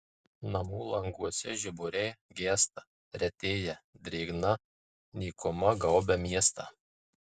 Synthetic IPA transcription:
nɐmuːlˠɐŋɡuɔsʲɛʒʲɪbʊɾʲeːɡʲeːst̪ɐ | ɾʲɛt̪ʲeːjɛd̪ʲɾʲeːɡnɐ | nʲiːkʊmɐɡɐʊbʲɛmʲiɛst̪ɑ̰

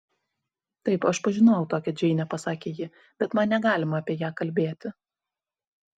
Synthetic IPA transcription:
t̪ɐɪpɐʃpɐʒʲɪnoːjʊt̪oːkʲɛd͡ʒʲɛɪnʲɛpɐsɑːkʲeːjɪ | bʲɛt̪mɐnnʲɛɡɑːlʲɪmɐːpʲiɛjæːkɐlʲbʲeːt̪ʲɪ

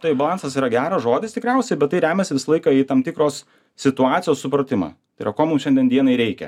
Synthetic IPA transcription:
t̪ɐɪbɐlˠɑnsɐsiːɾɐɡʲæːɾɐʒoːd̪ʲɪst̪ʲɪkɾʲæˑʊsʲɛɪbʲɛt̪t̪ːɐɪɾʲæːmʲɛsʲɪʋʲɪsɐlˠɐɪkɐiːt̪ɐmt̪ʲɪkɾoːs | sʲɪt̪ʊɑːt̪sʲɪjoːssʊpɾɐt̪ʲɪmɑ̰ːt̪ɐɪḭɾɐkoːmumʃʲɛnʲd̪ʲɛnd̪ʲiɛnɐɪɾʲɛɪkʲɛ̰

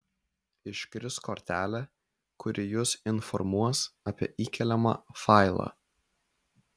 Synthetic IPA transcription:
ɪʃkɾʲɪskɔɾʲt̪ʲæːlʲɛ | kʊɾʲʔɪjʊsɪnfɔ̰ɾmuɔsɐpʲiɛʔiːkʲɛlʲɛmɑ̰ːfɑɪlˠɑ̰

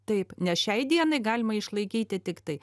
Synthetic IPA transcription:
t̪ɐɪpnʲɛsʃʲɛɪd̪ʲiɛnɐɪɡɑːlʲɪmɐɪʃlˠɐɪkʲiːt̪ʲɪt̪ʲɪkt̪ɐɪ

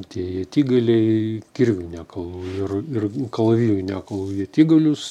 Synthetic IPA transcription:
t̪ʲiɛiɛt̪ʲiːɡɐlʲɛɪkʲɪrʲʋʲʊnʲæːkɐlˠuːɪrɪrkɐlˠɐʋʲiːjʲʊːnʲækɐlˠuːiɐt̪ʲiːɡɐlʲʊs

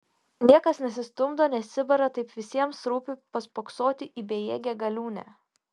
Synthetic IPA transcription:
nʲiɛkɐsnʲɛsʲɪst̪ʊmd̪oːnʲɛsʲɪbɐɾɐt̪ɐɪpʋʲɪsʲiɛmsɾuːpʲɪpɐspoksoːt̪ʲɪʔiːbʲeːjeːɡʲɛɡɐlʲuːnʲæ̰ː

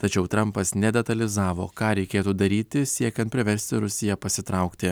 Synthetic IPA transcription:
t̪ɐt͡ʃʲɛʊt̪ɾɐmpɐsnʲɛd̪ʲɛt̪ɐlʲɪzɑːʋo̰ːkɑːɾʲɛɪkʲeːt̪uːd̪ɐɾʲiːt̪ʲɪsʲiɛkʲɛnt̪̚ʲpʲɾʲɪʋʲɛɾʲsʲt̪ʲɪɾʊsʲɪjɛpɐsʲɪt̪ɾɐʊkt̪ʲɪ

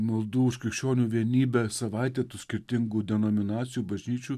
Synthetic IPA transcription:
mɐlˠd̪uːʊʃkɾʲɪkʃʲt͡ʃʲoːnʲuːʋʲiɛnʲiːbʲɛsɐʋɐɪt̪ʲɛt̪uːsʲkʲɪɾʲt̪ʲɪŋɡud̪ʲɛnoːmʲɪnɑːt̪sʲɪjuːbɐʒʲnʲiːt͡ʃʲuː

